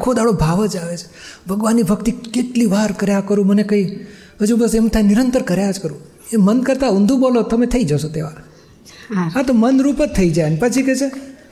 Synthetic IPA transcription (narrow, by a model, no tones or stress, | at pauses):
kʰod̪aɭobʱaʋəd͡ʒaʋet͡ʃʰe̥bʱəɡʋanːibʱəkt̪ikeʈliʋaɾkəɾjakəɾũmənekəi | ɦəd͡ʒubəsemt̪ʰaniɾənt̪əɾkəɾjad͡ʒkəɾũ | emənkəɾt̪aũnd̪ʱũbolot̪əmet̪ʰəid͡ʒəʃot̪eʋa | at̪omənɾupət̪ʰəid͡ʒajənepət͡ʃʰiket͡ʃʰe